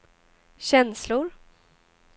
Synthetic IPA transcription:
ɕɛnslʊɾ

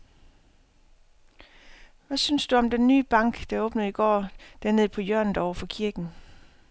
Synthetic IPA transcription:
ʋæsynsd̥uɒ̽md̥enːy̰ːb̥ɑ̈ŋ̰ɡ̥d̥ɑ̈ɔːb̥nəð̩ˠiɡ̥ɒ̰ːd̥æɐne̝ð̰ˠpʰɒ̽jœɐ̰nð̩ɒʊɐfɒ̽kʰiɐɡ̥n̩

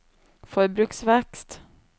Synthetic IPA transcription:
fœɾbɾʉːksvɛkst̪

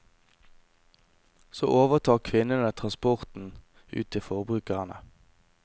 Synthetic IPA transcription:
so̰ːʔoːʋəʁt̪ʰɑːkʰʋɪnənət̪ʰʁɑnspɔʁt̪n̩ | ʉ̰ːt̪ʰifɔʁbʁʉːkəʁənə

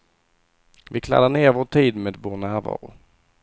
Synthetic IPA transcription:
vɪkʰla̰d̪ːaɳeːɾvoːʈʰiːd̪meːd̪voːɳæːɾvɑ̰ːɾʊ

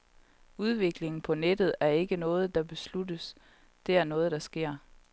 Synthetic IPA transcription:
uð̞ˠʋe̝ɡ̥le̝ŋn̩pʰɒ̽ned̥ð̞̩ˠæɐe̝ɡ̥ənɔ̽ːð̞̩ˠd̥ɑ̈b̥e̝sludəs | d̥e̝æɐnɔ̽ːð̞̩ˠd̥ɑ̈sɡ̥e̝ɐ̰

